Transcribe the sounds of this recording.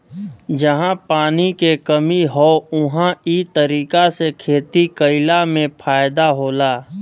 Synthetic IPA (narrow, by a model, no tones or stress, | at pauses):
d͡ʒəɦãpaːnikekəmiɦoʊɦãiːt̪əɾiːkasekʰeːt̪ikəɪlamẽpʰaːjd̪aɦoːlaː